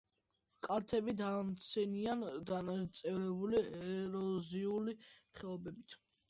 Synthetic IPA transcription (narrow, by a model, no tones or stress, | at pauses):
kʼat̪ʰɛbid̪amt̪sʰɛniand̪anat̪sʼɛɾɛbuliɛɾɔziuliχɛɔbɛbit̪ʰ